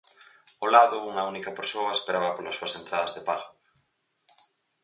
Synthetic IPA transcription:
olaðʊuŋɐunikɐpeɾsoɐespeɾaβɐpolɐsːuɐsent̪ɾaðɐzðepaɣʊ

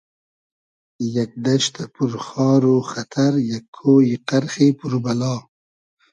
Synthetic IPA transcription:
jak̚d̪aʃt̪ʰapuɾxɑːɾoxat̪ʰaɾjakʰːoːjiqaɾxepuɾbalɑː

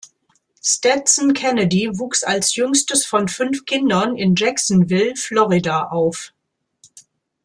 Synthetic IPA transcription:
stɛtsn̩kʰɛnədivuːksalsjʏŋstəsfɔnfʏnfkʰɪndɐnɪnd͡ʒɛksn̩vɪlflɔʁidaʔaʊf

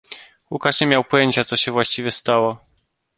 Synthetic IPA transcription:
wukaʂɲɛmʲjawpɔjeɲt͡ɕat̪sɔɕɛvwaɕt͡ɕivʲjɛst̪awɔ

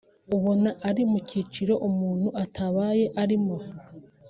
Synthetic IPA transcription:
uβo̞naʔaɾimuciːt͡ʃiɾo̞ʔumuːn̥huʔatʰaβaːje̞ʔaɾimo̞

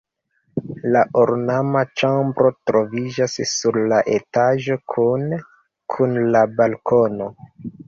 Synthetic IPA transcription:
laʔoɾnamat͡ʃambɾo̞tɾo̞vid͡ʒasːuɾlaʔe̞taʒo̞kʰun | kʰunlabalko̞no̞

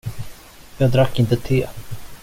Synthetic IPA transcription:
jɑːɡd̪ɾakːɪnt̪ət̪ʰɪl

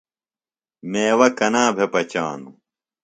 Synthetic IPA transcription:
meːwɐkɐnaːbʱepɐt͡ɕa̰ːnu

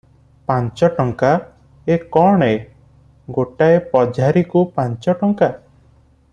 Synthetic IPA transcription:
pant͡ʃɔʈɔŋka | ekɔɽ̃e | ɡoʈaepɔd͡ʒʱaɾikupant͡ʃɔʈɔŋka

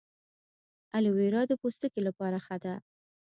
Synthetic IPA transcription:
aliweɾɑd̪əpost̪əkelapɑɾaxad̪a

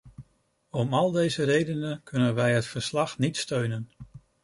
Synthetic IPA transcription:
ɔmɑlˠdejzərejdənənkɵnənʋɛjɦətfəɹslɑχnitstøɥnən

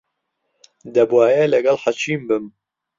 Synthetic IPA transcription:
d̪ɐbwaːjɛlɐɡɐlħat͡ʃʰiːmbɨm

